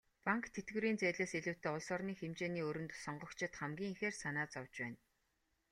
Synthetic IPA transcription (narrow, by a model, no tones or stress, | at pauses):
paŋkt̪ʰːet̪ɡɘ̆ɾiːnt͡sæːɮeːseɮɘ̆w̥ʰt̪ʰeːʊɮsɔrniːxemt͡ɕeːniːɵɾɵ̆nt̪sɔɴɢɞ̆kt͡ɕʰɪ̆t̪χæmɡʲiːŋixeːrsanaːt͡sɔwt͡ɕpæːn